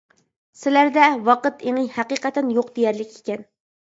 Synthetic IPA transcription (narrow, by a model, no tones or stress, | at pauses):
sɪlæɾd̪ɛwɑqət̪eŋɨhæqiqæt̪ʰɛnjoq̚d̪ejæɾlɪkʲekʲɛn